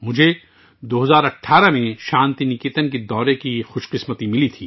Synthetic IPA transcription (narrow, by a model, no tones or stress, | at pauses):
mʊd͡ʒʱe | d̪oːɦɐzaːɾɐʈʰːaːɾamẽʃãːnt̪inikiːt̪ənked̪ɔːɾekixʊʃqɪsmət̪imɪlit̪ʰiː